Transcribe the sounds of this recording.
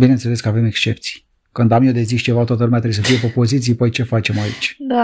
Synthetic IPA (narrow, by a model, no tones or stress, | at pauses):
binent̪se̞le̞skəave̞me̞kst͡ʃe̞pt̪si̥j | kɨnd̪amjewd̪e̞ziʃt͡ʃe̞vat̪at̪əlumeat̪ɾebjesəfijepepo̞zit̪sijpəjt͡ʃe̞fat͡ʃe̞mait͡ʃʲd̪a